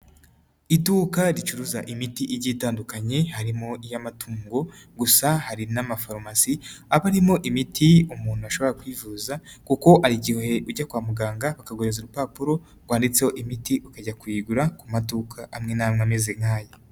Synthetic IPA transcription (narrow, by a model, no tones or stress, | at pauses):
ituːkaɾit͡ʃuɾuzaʔimitiʔiɟiːtaːndukaɲe̞haɾimo̞ijamatʰuːŋɡo̞ɡusahaɾinamafaɾmasiaβaɾimo̞ʔimitʰiumuːn̥uaʃo̞βo̞ɾakwiːvuzakuko̞ʔaɾiɟihohe̞ʔuɟakwaːmuɡaːŋɡaβakaɡoɾezuɾupapuɾo̞ | ɡwaːndit͡se̞ho̞ʔimitiukaɟakwiːɡuɾakumatukʰaʔamŋe̞namŋamezeŋhaːja